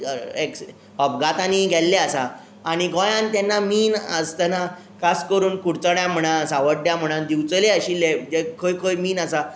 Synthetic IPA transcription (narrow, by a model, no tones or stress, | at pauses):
eks | ɔpɡat̪aniɡʱɛlːeasaː | ɽ̃iɡɔ̃jãnt̪jɛnːamiːnəst̪əna | kaskəɾuːnkuɽt͡səɽjãm̤əɽ̃ãsaʋəɽjam̤əɽ̃and̪iwt͡səleəɕilːed͡ʑekʰojkʰojmiːnasa